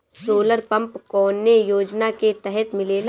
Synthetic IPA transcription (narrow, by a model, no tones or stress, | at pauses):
soːləɾpɐ̃mpkɔːnːejoːd͡ʒnaket̪ɛɦɛt̪mɪleːla